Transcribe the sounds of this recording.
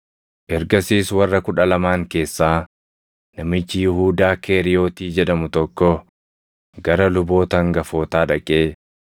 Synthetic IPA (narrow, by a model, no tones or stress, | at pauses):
ʔɛɾɡɐsiːswɐrːɐkʊᶑɐlɐmaːŋke̞ːsːaː | nɐmɪt͡ʃːɪjɪhuːd̪aːkʰe̞ːɾɪjo̞ːt̪iːd͡ʒɛᶑɐmʊt̪ɔkːɔ | ɡɐɾɐlʊbo̞ːt̪ɐŋɡɐfo̞ːt̪aːᶑɐkʼe̞ː